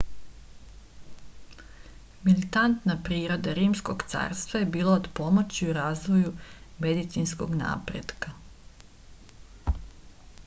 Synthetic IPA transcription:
milit̪ant̪napɾiːɾo̞d̪aɾiːmskoɡt̪sa̰ːɾst̪ʋajebiːlˠaod̪po̞mo̞t͡ɕiuɾaːzʋo̞jume̞d̪it̪sinsko̞̰ɡna̰ːpɾḛd̪ka

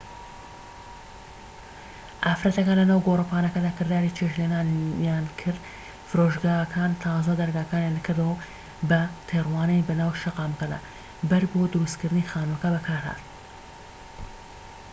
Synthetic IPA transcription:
ʔaːfɾɐt̪ɐkaːnlɐnaːwɡoːrɨpaːnɐkɐd̪aːkɨɾd̪aːɾit͡ʃʰeʃlenaːnjaːnkʰɨɾd̪ | fɨɾoʒɡaːɐkʰaːnt̪ʰawzad̪ɐɾɡaːkaːnjaːnkʰɨɾd̪ɐwɐ | bɐt̪ʰerwaːnejbɐnaːwʃɐqɑːmɐkɐd̪a̰ː | bɐɾbod̪ʊɾust̪kɨɾd̪ɨnixaːnmɐkɐbɐkʰaːɾha̰t̪

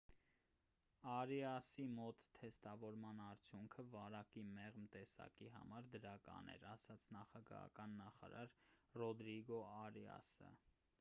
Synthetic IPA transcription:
ɑɾiɑsimɔt̪ʰːɛst̪ɑvɔɾmɑnɑɾt͡sʰjuŋkʰəvɑɾɑkimɛʁmt̪ɛsɑ̰kiɦɑ̰mɑɾd̪əɾɑkɑ̰nɛ̰ɾɑsɑt͡sʰnɑχɑɡɑ̰ɦɑ̰kɑnːɑχɑ̰ɾɑɾrɔd̪ɾiɡɔɑɾiɑ̰sə̰

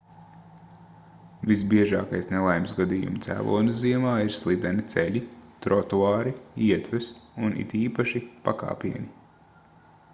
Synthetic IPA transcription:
visbiɛʒaːkajsnɛlˠajmsɡad̪iːjṵmt̪sæ̰ːvṵːnɐziɛmaːiɾslˠid̪ɛnit̪sɛʎʲit̪ɾɔt̪uaːɾiiɛt̪ʋɛsunʔḭt̪iːpaʃipa̰ka̰ːpiɛni

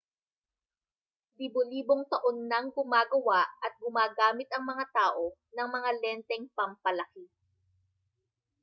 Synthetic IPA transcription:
d̪iboliːboŋt̪ɐʔonːɐŋɡʊmaːɡɐwaʔɐt̪̚ɡʊmaːɡaːmɪt̪ɐŋmɐŋat̪aːʔo̞nɐŋmɐŋalɛnt̪ɛŋpɐmpɐlɐki

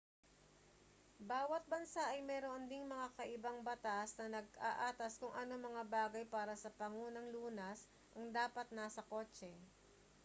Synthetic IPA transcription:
baːwɐt̪̚bɐnsaʔɐjmɛːɾond̪iŋmɐŋakɐʔɪbaŋbɐt̪asnɐnɐɡ̚aʔaːt̪ɐskʊŋʔɐnomɐŋabaːɡɐjpaːɾɐsɐpɐŋuːnɐŋluːnɐs | ʔɐŋd̪aːpɐt̪̚nasɐko̞ːt͡ʃɛ

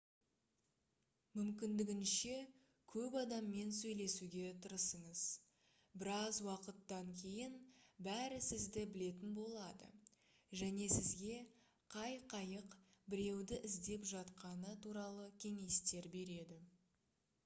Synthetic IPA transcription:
mʏmkʲɪnd̪ɪɡʲɪnʃe̞ | kʲʰɵpɑd̪ɑmːe̞nsɵjle̞suɡʲe̞t̪ʰəɾəsəɴəz̥ | bɪɾɑzwɑqət̪ːɑŋkʲʰe̞jɪnbæɾɪsɪzd̪ɪbɪle̞t̪ɪnbo̞lˠɑd̪ə̰ | ʒæne̞sɪzɡʲe̞ | qʰɑjqʰɑjəqbɪɾe̞wd̪ɪʔɪzd̪e̞pʒɑt̪qɑnət̪ʰuɾɑlˠəkʲʰe̞ŋe̞st̪e̞ɾbe̞ɾe̞d̪ɪ

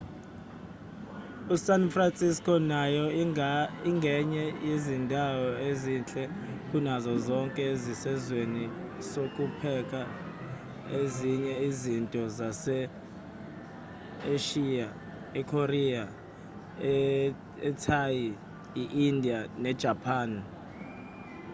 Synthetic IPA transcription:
usanfransʼiskʼɔnajɔ | iŋɡʱɛɲɛjezindʱawɔezint͡ɬʼɛkʼunazɔzɔŋkʼɛezisɛzwenisokʼupʰɛkʼa | eziɲɛizintʼɔzasɛ | eʃia | ɛkʰoria | ɛ | ɛtʰaji | iʔindʱianɛd̥ʒ̥ʱapʰaːn

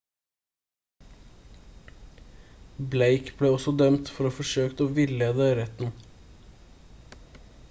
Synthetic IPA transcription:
bleɪkbleːɔsɔd̪œmt̪fɔɾoːfɔʃøːkt̪oːʋɪləd̪øɾɛt̪n̩

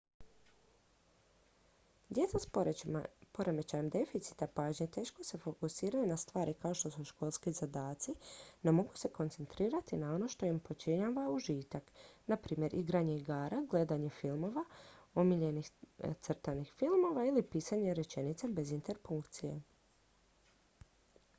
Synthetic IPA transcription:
d̪je̞t̪sas | po̞ɾemet͡ɕaɲemd̪e̞fit̪si̥t̪apaːʒɲet̪e̞ːʃko̞se̞fo̞kusiːɾajunast̪ʋaːɾʔikao̞ʃt̪o̞suʃko̞lˠskizad̪aːt̪sino̞mo̞ɡu̥se̞ko̞nt̪se̞nt̪ɾiːɾat̪inao̞no̞ʃt̪o̞impo̞t͡ʃiɲaʋauʒiːt̪aknapɾiːmje̞ɾʔiɡɾaɲe̞iɡaːɾaɡle̞d̪aɲe̞filˠmo̞ʋaomiʎe̞nixt̪sr̩t̪anixfilˠmo̞ʋailipiːsaɲe̞ɾe̞t͡ʃe̞nit̪sebe̞zint̪e̞ɾpuŋkt̪sije̞̰

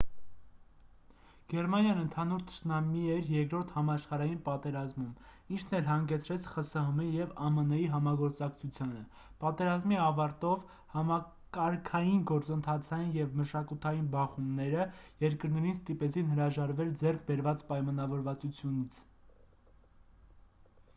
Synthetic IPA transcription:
ɡ̥ɛɾmɑnjɑnənt̪ʰɑnuɾt̪ʰə̥t͡ʃʰnɑmiɛɾjɛɾkɾɔɾt̪ʰhɑmɑʃχɑɾɑjinpɑt̪ɛɾɑzmum | int͡ʃʰnɛlɦɑŋɡɛt͡sʰɾɛt͡sʰχəsəɦəmijɛvɑmənɛjiɦɑmɑɡɔɾt͡sɑkt͡sʰut͡sʰjɑnə | pɑt̪ɛɾɑzmiɑvɑɾt̪ɔv | hɑmɑ | kɑɾkʰɑjinɡɔɾt͡sənt̪ʰɑt͡sʰɑjinjɛvməʃɑkut̪ʰɑjinbɑχumnɛɾəjɛɾkəɾnɛɾinst̪ipɛt͡sʰinhəɾɑʒɑɾvɛld͡zɛrkʰbɛɾvɑt͡spɑjmɑn̪ɑvɔɾvɑt͡sut͡sʰjunit͡sʰ

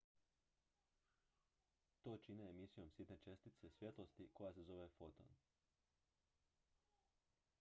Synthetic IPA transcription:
t̪o̞ːt͡ʃineːmisijo̞msit̪ne̞t͡ʃe̞st̪it̪sesʋjet̪lost̪iko̞jase̞zo̞ʋe̞fo̞t̪o̰n

